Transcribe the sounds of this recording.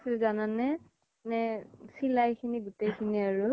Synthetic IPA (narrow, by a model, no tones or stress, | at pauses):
silzananɛ | nɛsilajkʰiniɡʊtejkʰiniaɹʊ